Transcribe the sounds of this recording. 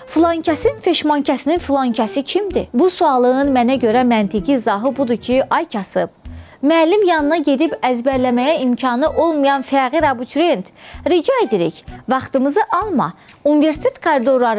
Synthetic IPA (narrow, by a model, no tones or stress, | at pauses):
flˠoɲcʰæsinfe̞ʃmoɲcʰæsininfulˠoɲcʰæsicʰimd̪ibusuɑlˠɯɯnmænæɟø̞ɾæmænt̪ʰiɡizɑɦɯbud̪ucʰiʔɑjcʰɑsɯb̥̚ | mæːlːimjɑnɯnɑɟe̞d̪ibæzbæɾlæmæjæimcʰɑnɯʔo̞lˠmujɑnfæɾɣiɾɑbut̪ʰɾe̞nt̪ɾid͡ʒɑed̪iɾḭçvɑχt̪ɯmɯzɯʔɑlˠmɑ̰ | unive̞ɾsi̥t̪ʰet̪kʰoɾid̪o̞ɾlˠɑɾ